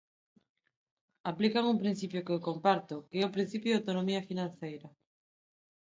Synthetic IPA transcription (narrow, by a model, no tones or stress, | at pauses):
aplikaŋumpɾin̟θipjokeokompaɾt̪okeɛopɾin̟θipjoðawt̪onomiafinãn̟θejɾa